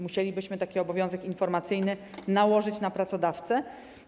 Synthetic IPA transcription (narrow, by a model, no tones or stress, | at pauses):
muɕelʲibɘɕmɘt̪akʲiɔbɔvʲjɔ̃zɛkinfɔɾmat̪sɘjnɘnawɔʐɘt͡ɕnapɾat̪sɔd̪aft̪sɛ